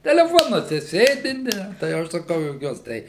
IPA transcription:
tʲɛlʲɛˈfoːnuɔsʲɛ ˈsʲeːdʲɪ ˈnʲɛ tɐɪ jɛʊ ˈɐʃ sɐˈkɐʊ juɔˈkʲuɔs tɐɪ

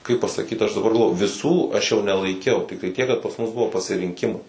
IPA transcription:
kɐɪp pɐsɐˈkʲiːt ˈɐʃ dɐˈbɐr ɡɐlˠˈʋoːjʊ ʋʲɪˈsuː ɐʃ ˈjɛʊ nʲɛlˠɐɪˈkʲɛʊ ˈtʲɪktɐɪ ˈtʲiɛk kɐt pɐs ˈmʊs ˈbʊʋoː pɐsʲɪrʲɪŋʲˈkʲɪmɐɪ

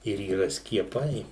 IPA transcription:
ɪr iːˈrɐ sʲkʲiɛˈpɐɪ

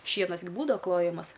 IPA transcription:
ˈʃʲiɛnɐs ɡʲɪ ˈbuːdɐʋɐ ˈklˠoːjɛmɐs

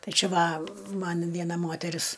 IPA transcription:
ˈtɐɪ ˈt͡ʃʲɛ ˈʋɐ ˈmɐn ˈʋʲiɛnɐ ˈmoːtʲɛrʲɪs

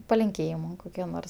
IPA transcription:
pɐlʲɪŋʲˈkʲeːjɪmʊ ˈkoːkʲʊ ˈnoːrs

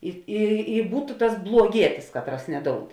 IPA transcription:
ɪ ɪ ɪ ˈbuːtʊ tɐs blˠuɔˈɡʲiɛtʲɪs ˈkɑːtˌrɐs nʲɛˈdoːʊt

